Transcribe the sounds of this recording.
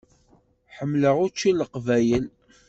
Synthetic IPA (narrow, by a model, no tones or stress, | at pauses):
ħəmːləʁʊɾt͡ʃːiləqvæjəl